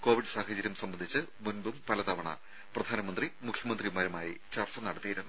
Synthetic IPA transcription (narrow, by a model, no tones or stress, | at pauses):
ko̞ːʋiɖɨsaːhɐd͡ʑɐɾjɐmsɐmbɐnd̪ʱit͡ɕːɨmunbumpɐlɐt̪ɐʋɐɳɐ̰ | prɐd̪ʱaːnɐmɐnd̪rimukʰjɐmɐnd̪rimaːɾumaːjit͡ɕɐrt͡ɕːɐnɐɽɐt̪ːijiɾunːu